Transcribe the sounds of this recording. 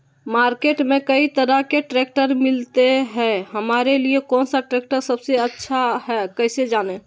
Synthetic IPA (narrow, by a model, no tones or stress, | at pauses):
maɾkeʈmẽkəit̪əɾəɦkeʈɾek̚ʈəɾmilt̪eɦɛɦəmaɾeliekɔnsaʈɾek̚ʈəɾsəbseətːʃʰaɦɛkəjsed͡ʒane